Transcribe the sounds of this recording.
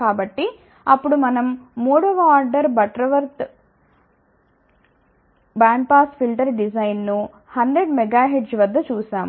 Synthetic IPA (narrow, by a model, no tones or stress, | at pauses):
aːbɐʈːi | ɐpːuɽumɐnɐmːuːɽɐʋɐaːɾɖɐɾbɐʈɾɐʋɐɾt̪ | baːɳɖ̚paːspilʈɐɾɖid͡ʒɐjnnu | hɐnɖɾeɖmɛɡaːɦeɖd͡ʒʋɐd̪ːɐt͡ʃuːsaːmu